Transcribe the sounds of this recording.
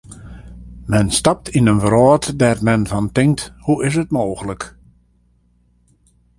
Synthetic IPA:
mɛnstɑp̚tʰinənvəɾɔːtdɛrmɛnvɔntɪŋk̚thuɪs̬ət̚moːɣələk

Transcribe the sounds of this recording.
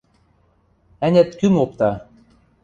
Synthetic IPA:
ænʲæt̪kymop̚t̪ɑ

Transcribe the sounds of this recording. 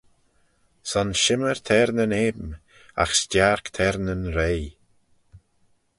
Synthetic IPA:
sɔnʃɪməɹt̪ʰɛɾnəneːbm | a̰xstjaɹkt̪ʰɛɾnənɾeːj

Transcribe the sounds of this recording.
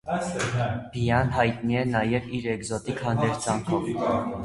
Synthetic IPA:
bijɑnɦɑjt̪niɛnɑjɛviɾɛɡzɔt̪ikʰhɑnd̪ɛɾt͡sʰɑŋkʰɔv

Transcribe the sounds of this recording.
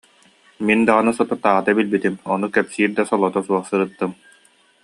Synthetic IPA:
mind̪aʁɯnɯsɔt̪ɔt̪ːaːʁat̪abilbit̪imɔnukɛpsiːɾd̪asɔlˠɔt̪ɔsuɔχsɯɾɯt̪ːɯm

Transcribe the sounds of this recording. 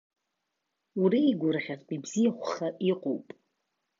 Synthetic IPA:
uɾiːɡʷʊrχʲazpʼibzijaχʷʊχaʔiqʼo̰wpʼ

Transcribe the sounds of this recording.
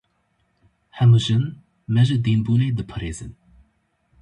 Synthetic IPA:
hɛməʒən | mɛʒəd̪inbuned̪əpʰəɾezə̰n

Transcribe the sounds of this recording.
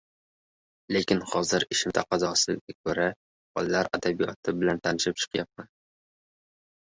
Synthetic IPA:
le̞kʲɪnhɒzɪɾɪʃɪmt̪ʰaqɑzɒsɪɡʲakʰɵɾa | bɒ̰lˠlːaɾad̪abijɒt̪ʰɪbɪlant̪ʰanɪʃɪp̚t͡ʃʰɨ̥qjap̚man

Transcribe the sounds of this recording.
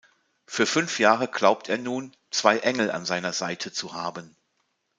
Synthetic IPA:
fyːɐfʏnfjaːʁəɡlaʊp̚tʰʔeːɐnuːn | t͡sv̥aɪʔɛŋl̩a̰nzaɪnɐzaɪtʰət͡suhaːbən

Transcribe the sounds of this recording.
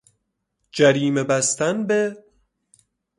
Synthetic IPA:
d͡ʒæɾiːmebæst̪ænbe

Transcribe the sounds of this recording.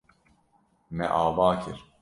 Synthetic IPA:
mɛ̰ʔaːvaːkʰiɾ

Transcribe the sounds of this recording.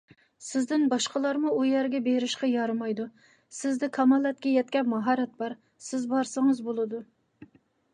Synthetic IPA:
sɪzd̪ɪnbɑʃqəlˠɑɾmuʔujɛɾɡʲɛbeɾɪʃqɑjɑɾmɑjd̪u | sɪzd̪ɪkʰɑmɑlˠːɛt̪̚kʲɛjɛt̪̚kʲɛpmɑɦɑɾɛt̪̚bɑɾ | sɪzbɑɾsɨŋəzbolˠɨd̪u

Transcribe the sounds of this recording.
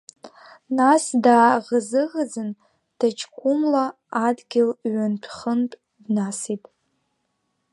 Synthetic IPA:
nasdaːʁəzɨʁəd͡zɨn | dʰat͡ʃʰʼkʷʰumlaː | dɡʲɪlɥanpʰχəntʼ | dnasitʼ

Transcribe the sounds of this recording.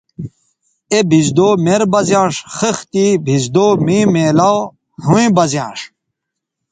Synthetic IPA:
ebʱizd̪oːmeɾbɐzjãːʂxəxt̪ibʱizd̪oːmĩmeːlaw | huĩbɐzjã̰ːʂ

